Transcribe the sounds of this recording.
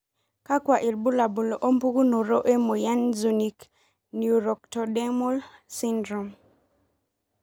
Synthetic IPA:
ka˦kwa˨ʔi˨lbu˦la˨bu˨lo˨ʔo˦mpu˦ɡu˦no˨ɾo˦ʔe˦mo˨ja˦nzu˨ni˨k | nju˨ɾɔ˨k̚tɔ˨dɛ˦mɔ˦lsi˦ndɾɔ˨m

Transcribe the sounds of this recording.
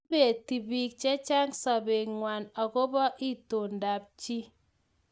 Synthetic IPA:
be˨ti˨bi˦k̚t͡ʃe˦t͡ʃa˦ŋsa˨be˨ŋŋwa˨nɔ˨ko˦bɔ˦ʔi˦to˨nda˨p̚t͡ʃi˦

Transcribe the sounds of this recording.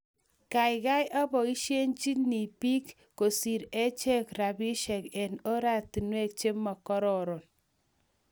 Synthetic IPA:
ka˨jka˦jʔa˦bɔ˨i˦ʃe˦nt͡ʃi˦ni˨pi˦kː | o˨si˨ɾe˦t͡ʃe˦kɾa˨bi˦ʃɛ˨kɛ˨no˦ɾa˨ti˨nwe˦k̚t͡ʃe˦ma˨kɔ˦ɾɔ˨ɾɔ˨n

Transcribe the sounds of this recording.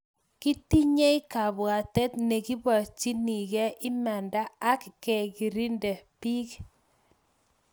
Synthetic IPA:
ki˦ti˦ɲe˦i˦ka˨bwa˨tɛ˦t̪̚nɛ˨ki˦ba˨t͡ʃi˦ni˨kɛ˦ʔɪ˦mɛ˨ndaː˦kːɛ˨ki˨ɾi˦ndɛ˨pi˦k

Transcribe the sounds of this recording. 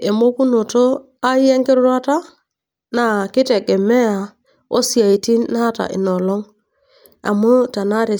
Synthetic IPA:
e˨mo˦ku˦no˨to˦ | a˦je˦ŋki˦ɾɾa˦ta˦ | na˨ki˦te˨ɡe˨mːe˦a˨ | o̰˦si˨a˨i˨ti˦nːa˦ta̰˨ʔḭ˨no˨lo˦ŋ | a̰˨mu˦ta˨na˦ɾi˨

